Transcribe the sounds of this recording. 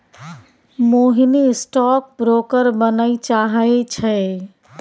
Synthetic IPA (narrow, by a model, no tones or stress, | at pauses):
moɦinisʈɔk̚bɾokəɾbənəjt͡ʃaɦəjt͡ʃʰəj